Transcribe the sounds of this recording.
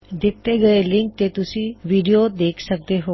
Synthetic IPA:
d̪ɪt̪ːeɡəelɪ̃ŋk̚t̪et̪ʊsĩʋiɖijod̪eːkʰsək̚d̪eɦo

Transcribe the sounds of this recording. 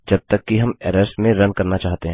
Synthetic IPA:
d͡ʒɐb̚t̪ɐkːiɦɐmɛːɾɛsʈmẽɾɐnkɐɾnat͡ʃaːɦt̪eɦɛ̃ː

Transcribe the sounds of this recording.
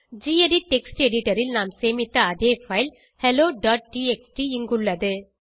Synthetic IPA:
d͡ʒiːeɖiʈɛksʈɛɽɪʈɐɾɪlnaːmseːmɪt̪ːɐɐðeːfɐɪl | hɛloːɖaːʈ̚ʈiːeksʈiɪŋɡɯɭːɐðɯ

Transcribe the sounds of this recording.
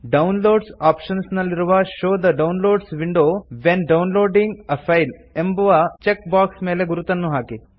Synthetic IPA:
ɖɐwnloːɖsaːpʂɐnsnɐlːiɾuʋɐʃoːd̪ɐɖɐwnloːɖsʋiɳɖoːʋenɖɐwnloːɖiŋɡɐfʰɐjlembɐʋɐt͡ʃek̚baːksmeːle̞ɡuɾut̪ɐnːuɦaːki

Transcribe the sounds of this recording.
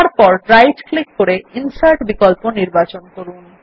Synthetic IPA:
aɾpɔɾɖɾajd͡ʒklikːoɾeinsaɾʈbikolponiɾbat͡ɕonkoɾun

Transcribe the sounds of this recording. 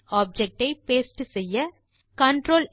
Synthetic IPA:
aːb̚d͡ʒɛk̚ʈɐɪpeːsʈɯsɛjːɐ | kɐɳʈɾoːl

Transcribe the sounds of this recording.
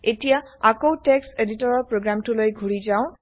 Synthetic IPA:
etija | akowtekseditɔɹɔɹpɹoɡɹamtʰulojɡʱuɹizaʊ̃

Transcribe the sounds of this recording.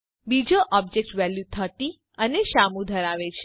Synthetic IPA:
bid͡ʒoʔɔb̚d͡ʒek̚ʈʋæljut̪ʰəʈ̪i | əneʃamũd̪ʱəɾaʋet͡ʃʰe̥

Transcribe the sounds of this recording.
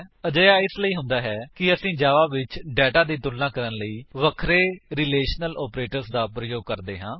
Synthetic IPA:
əd͡ʒəjaːɪsləiːɦʊ̃nd̪aːɦɛːkɪəsĩːd͡ʒaːʋaːʋɪt͡ʃɖɛːʈaːd̪ĩːt̪ʊlːãːkəɾənləiːʋəkʰɾeːɾɪleːʃnəlɔːpɾeːʈəɾsd̪aːpɾəjoːɡ̚kəɾd̪eːɦãː

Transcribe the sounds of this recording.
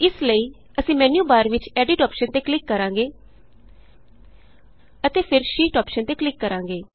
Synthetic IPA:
ɪsləiː | əsĩːmɛːnjuːbaːɾʋɪt͡ʃɛːɖɪʈɔːpʃənt̪eːklɪkːəɾãːŋɡeː | ət̪eːpʰɪɾʃiːʈɔːpʃənt̪eːklɪkːəɾãːŋɡeː

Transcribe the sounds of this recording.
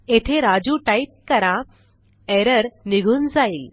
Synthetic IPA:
et̪ʰeɾad͡ʑuʈaip̚kəɾã | eɾəɾniɡʱuːnd͡zail

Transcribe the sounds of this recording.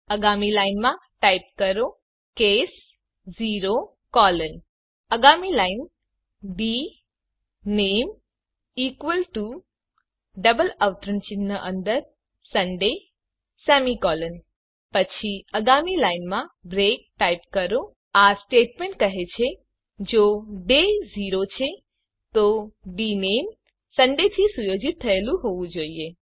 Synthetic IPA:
əɡamilaijnmã | ʈaip̚kəɾo | kes | ziɾo | kɔlən | əɡamilain | bi | nem | ikʋəlʈu | ɖəbələʋt̪ɾənt͡ʃɪnːəʔənd̪əɾ | səɳɖe | sɛmikɔlən | pət͡ʃʰiəɡamilainmãbɾek̚ʈajpkəɾo | asʈeʈmeɳʈkəɦet͡ʃʰe | d͡ʒoɖeziɾot͡ʃʰe | t̪obinem | səɳɖet̪ʰisujod͡ʒit̪ʰːəelũɦoʋũd͡ʒoie

